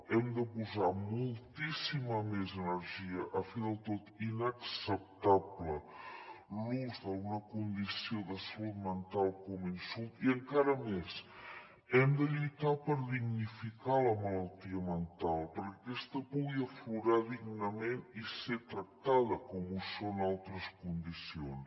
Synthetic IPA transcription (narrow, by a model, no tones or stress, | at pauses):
ɛmd̪əpuzamulˠt̪isiməmezənəɾʒiəʔəfiðəlˠt̪ot̪inəksəp̚t̪aplə | luzðəunəkund̪isioðəsəlut̪mənt̪alˠkɔminsulˠt̪iəŋkaɾəmes | ɛmd̪əʎujt̪apəɾðiɡnifikaləmələlˠt̪iəmənt̪alˠpəɾkəkɛst̪əpuɣiəfluɾaðiɡnəmeniset̪ɾək̚t̪aðəkɔmusonalˠt̪ɾəskund̪isions